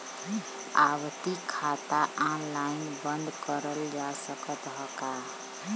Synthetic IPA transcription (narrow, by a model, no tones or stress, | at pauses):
awt̪ikʰat̪aʔãlajinbənd̪kəɾəld͡ʒasəkət̪ɦɔka